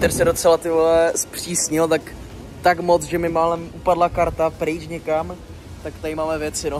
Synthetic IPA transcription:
t̪ɛɾsɛdot͡sɛlat̪ɪvlɛspr̝̥iːsɲɪlt̪ak | t̪akmo̞t͡sʒɛmɪmaːlɛmʔupadlakaɾt̪apɾɪt͡ʃɲɛkam | t̪akt̪aɪmaːmɛvjɛt͡sɪno

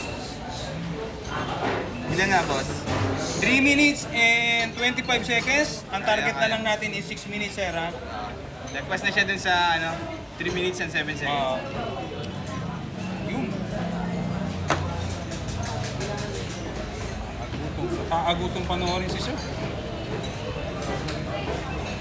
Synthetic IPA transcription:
ɪlɐŋabost̪ɾiminɪt̪sɛnt̪ːwɛnt̪ifajbsɛkɛns | ɐŋt̪aɾɡɛt̪nɐlɐŋnaːt̪ɪnɪsɪksminɪt̪sɛɾa | o | d̪ɐɡ̚bɐsnɐʃad̪ʊnsɐɐno | t̪ɾiminɪt̪sɛnsɛbɛnsɛoʔo | jʊn | ɐɡuːt̪oŋsɐkaʔɐɡuːt̪oŋpɐnoʔoːɾɪsɪso

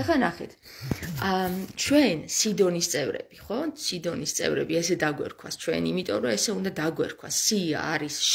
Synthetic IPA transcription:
ɛχanaχɛ̰t̪ʰ | t͡ʃʰwɛnsid̪ɔnist̪sʼɛvɾɛ̰b̥iχɔsid̪ɔnist̪sʼɛ̰vɾɛ̰biɛsɛd̪aɡwɛ̰ɾkʰwa̰st͡ʃʰwɛ̰nimit̪ʼɔmɾɔɛsɛund̪ad̪aɡwɛ̰ɾkʰwa̰sːia̰ːɾisʃ

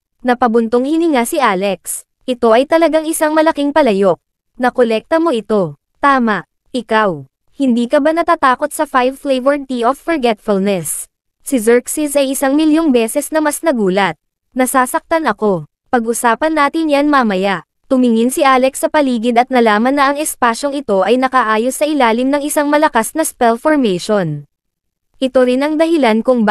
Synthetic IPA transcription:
nɐpɐbʊnt̪oŋhɪniŋasɪʔaːlɛks | ʔɪt̪o̞ʔɐjt̪ɐlɐɡaŋʔɪsaŋmɐlɐkɪŋpɐlɐjo̞k̚ | nɐkolɛk̚t̪ɐmo̞ʔɪt̪o̞ | t̪aːmɐʔ | ʔɪkaw | hɪnd̪iːkɐbanɐt̪aːt̪aːko̞t̪̚sɐfajflɛjvɛɹt̪ioffɔɹɡɛt̪fʊlnɛs | sɪzɛɹksisʔɐjʔɪsaŋmɪljoŋbɛːsɛsnɐmɐsnɐɡuːlɐt̪̚ | nɐsaːsɐk̚t̪anɐko̞ | pɐɡʔʊsaːpɐnːaːt̪ɪnjanmɐmɐjaʔ | t̪ʊmɪŋɪnsɪʔaːlɛksːɐpɐliːɡɪd̪ɐt̪̚nɐlaːmɐnːɐʔɐŋɛspaːʃo̞ŋɪt̪o̞ʔɐjnɐkaʔaːjosːɐʔɪlaːlɪmnɐŋɪsaŋmɐlɐkasnɐspɛlfoɹmɛjʃon | ʔɪt̪o̞ɾɪnɐŋd̪ɐɦɪlankʊŋ

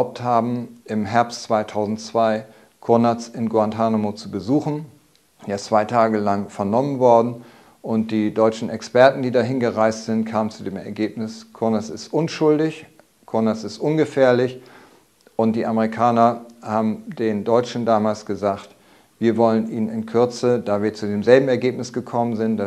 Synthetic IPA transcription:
aʊp̚thaːbm̩ʔɪmɦɛɐpstt͡sv̥aɪtʰaʊzn̩tt͡sv̥aɪ | kʰʊɐnat͡sɪnɡwantʰanomot͡subəzuːxn̩ | st͡sv̥aɪtʰaːɡəlaŋfɛɐnɔmənvɔɐdn̩ | ʔʊnt̚d̥iːdɔʏt͡ʃn̩ɛkspɛɐtn̩diːdaɦɪnɡəʁaɪstz̥ɪntkʰaːmənt͡sudeːmɛ̰ɐɡeːpnɪskʰʊɐnat͡sɪstʔʊnʃʊldɪç | kʰʊɐnasɪstʔʊnɡəfɛːɐlɪç | ʔʊnt̚d̥iːʔaməʁikʰaːnɐhaːbm̩deːndɔʏt͡ʃn̩daːmaːlsɡ̥əzaːxt | v̥iːɐvɔlənʔiːnnɪnkʰʏɐt͡sədaːviːɐt͡sudeːmzɛlbm̩ɛɐɡeːp̚nɪsɡ̥əkʰɔmənzɪntd̥a

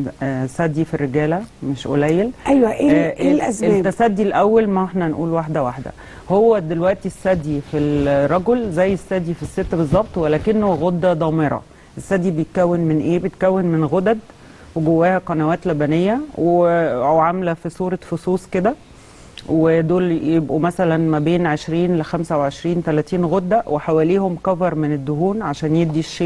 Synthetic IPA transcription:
sæd̪ːifirːeɡæːlæmeʃʔo̰læjːelʔæjwæʔeʔlʔæzmeːt̪ːæsæd̪ːilʔæwːælmæeħnænʔuːlwaħd̪æwaħd̪æ̰ | howːæd̪elwæʔt̪isːæd̪ːifilɾˤːɑɡolzæjːesːæd̪ifisːet̪ːbezˤːɑb̚t̪ˤwælæːkenːhowæɣod̪ːæd̪ˤɑːmeɾˤɑ̰ | ʔesːæd̪ːibejet̪̚kæwːenmenʔeːbejet̪̚kæwːenmenɣod̪æd̪ | weɡowːæːhæqɑnæwæːt̪læbænejːæweæʕamlæfisˤuːɾˤɑfosˤuːsked̪æ | wed̪oːljebʔumæsælænmæbeːnʕeʃɾiːnlexæmsæweʕeʃɾiːnt̪ælæːt̪iːnɣod̪ːæwʔeħawæːliːhomkæfɑɾˤmened̪ːoɦuːnʕaʃæːnjed̪iʃːeː

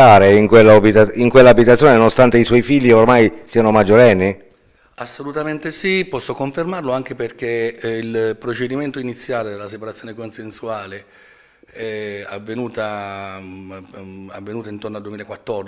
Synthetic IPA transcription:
aːɾeiŋkwelːabit̪aiŋkwelːaːbit̪at̪sːjoːnenonost̪ant̪eiswɔjfiʎːiormajsiːanomad͡ʒːoɾɛnːi | asːolut̪ament̪esipɔsːokoɱfermarloaŋk̟eperk̟eilpɾot͡ʃed̪iment̪oinit̪sːjaːled̪elːasepaɾat̪sjoːnekonsensuaːle | ɛa̰vːenuːt̪a | a̰vːenuːt̪aint̪ornoad̪uemilaekwat̪ːɔrd̪i

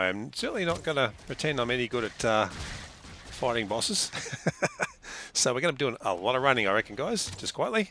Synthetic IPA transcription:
ɪə̃msɜ˞ʔn̩lˠinəʔ̚ɡ̥ʌnəpʰɹ̥ɨtʰɛ̃nə̃mɛniɡʊɾɨtʰʌ | faɪɹɪ̃ŋbɔsɪz̥ | soʊwəɹɡʌ̃nəbidʉɪ̃ŋə̰lˠɔɾəvɹãnɪ̃ŋəɹɛkə̃nɡaɪz̥d͡ʒʌskʰw̥aɪʔˡlˠi

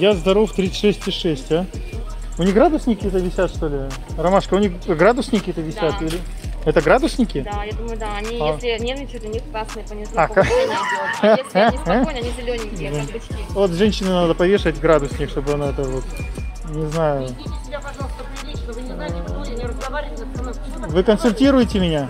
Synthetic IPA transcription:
jazd̪ɐɾo̞ft̪ɾʲit̪sʂɛsʲtʲɪʂɛsʲtʲa | ʊnʲiɣɡɾad̪ʊsnʲɪkʲɪɛt̪əvʲɪsʲat̪ʂt̪o̞lʲɪ | rɐmaʂkəʊnʲixɡɾad̪ʊsnʲɪkʲɪɛt̪əvʲɪsʲat̪ilʲɪ | ɛt̪əɡɾad̪ʊsnʲɪkʲɪd̪ajad̪uməjʊd̪aɐnʲijelʲɪnʲenəɪt͡ʃʲɪd̪lʲɛnʲixk̪asnɨjpənʲɪznak | ɐnʲizʲɪlʲonʲɪ | vot̪ʐɛnʲɕːɪnɨnad̪əpɐvʲe̞ʂɨətʲɡɾad̪ʊsnʲɪxʂt̪obɨɐnoɛt̪əvo̞t̪ | nʲɪznajʊaɐʐalˠst̪pʲɪovʲ | ɾəzɡɐvaɾʲɪvnɐno | vɨkənsʊlʲtʲiɾʊjɪtʲɪmʲɪnʲa

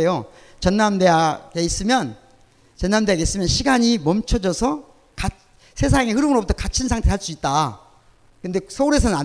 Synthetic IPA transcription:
ejo | t͡ɕʌnːamde̞aɡeis͈ɯmjʌn | t͡ɕʌnːamdeaɡeis͈ɯmjʌnɕʰiɡaɲimʌmt͡ɕʰʌd͡ʑʌsʰʌ | ka | sʰe̞s̬ʰaŋe̞hɯɾɯmɯɾobutʰʌkat͡ɕʰinsʰaŋtʰe̞ɦaɭs͈uit̚t͈a | kɯnde̞sʰʌuɾe̞s̬ʰʌnna

